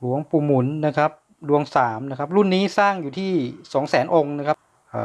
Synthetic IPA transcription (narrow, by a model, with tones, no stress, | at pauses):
lu˩˦əŋpuː˨˧˩mu˩˦nːa˦˥kʰa˦˥p̚ | du˧əŋsaː˩˦mna˦˥kʰa˦˥p̚ɾu˥˩nːiː˦˥saː˥˩ŋjuː˨˩t̪ʰiː˥˩sɔː˩˦ŋsɛː˩˦nʔo˧ŋna˦˥kʰa˦˥p | ʔː